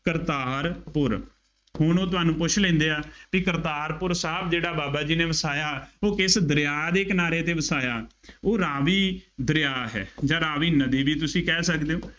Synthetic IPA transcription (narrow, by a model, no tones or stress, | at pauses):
kəɾt̪aːɾpʊɾ | hʊɳoːt̪ʊɦaːnũːpʊt͡ʃʰlẽːnd̪eːaːpiːkəɾt̪aːɾpʊɾsaːb̚d͡ʒeːɽaːbaːbaːd͡ʒiːneːʋəsaːjaːoːkɪsd̪əɾɪjaːd̪eːknaːɾeːt̪eːʋəsaːjaːoːɾaːʋiːd̪əɾɪjaːɦɛ̰ːd͡ʒãːɾaːʋiːnəd̪iːʋiːt̪ʊsĩːkɛːsəkd̪eːõː